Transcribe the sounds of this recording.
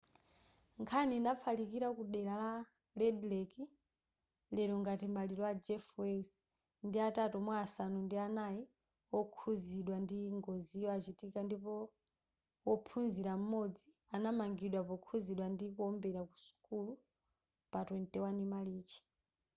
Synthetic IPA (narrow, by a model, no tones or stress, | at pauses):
ŋkʰanindapfʰalikiɾakuɗɛɾala | lɛdlɛki | lɛɾɔŋɡatimaliɾɔad͡ʒɛfwɛs | ndiatatɔmwaːsanundianaji | ɔkʰuziɗwandiŋɡɔzijɔat͡ʃitikandipɔ | wɔpʰunziɾam̩mɔd͡zi | anamaŋɡiɗwapɔkʰuziɗwandikuɔmbɛɾaku̥su̥kulu | patwɛntɛwanimaliːt͡ʃi̥